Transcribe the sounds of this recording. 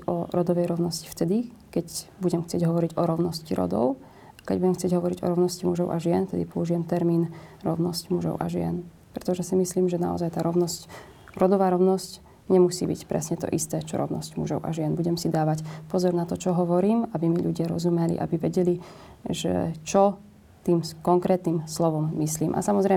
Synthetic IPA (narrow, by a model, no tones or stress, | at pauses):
ɔɾɔd̪ɔʋɛjɾɔʊnɔsci̥ft̪ɛd̪i | kɛcbuɟɛmxt͡sɪɛɟɦɔʋɔɾiɟɔɾɔʊnɔsciɾɔ̰d̪ɔ̰ʊ | akɛɟbuɟɛmxtt͡sɪɛɟɦɔʋɔɾiɟɔ̰ɾɔʋʊnɔscimuʒɔʊʔaʒɪɛnft̪ɛd̪ipɔuʒijɛmt̪ɛɾmiːnɾɔʊnɔscmuʒɔ̰ʊʔa̰ʒɪɛ̰n | pɾɛt̪ɔʒɛsimisliːmʒɛna̰ɔ̰zajt̪aːɾɔʊnɔsc | ɾɔd̪ɔʋaːɾɔʊnɔsc | ɲɛmusiːbḭcpɾɛ̰sɲɛt̪ɔ̰ʔist̪ɛːt͡ʃɔ̰ɾɔ̰ʊnɔ̰scmṵʒɔ̰ʊʔa̰ʒɪɛnbuɟɛmsid̪aːʋacpɔzɔɾnat̪ɔt͡ʃɔɦɔʋɔɾiːmabimiʎuɟɪaɾɔ̰zumɛlḭʔa̰biʋɛɟɛli | ʒɛ̰t͡ʃɔ | t̪iːmkɔŋkɾɛːt̪nimslɔʋɔmːisliːmʔa̰samɔzɾɛ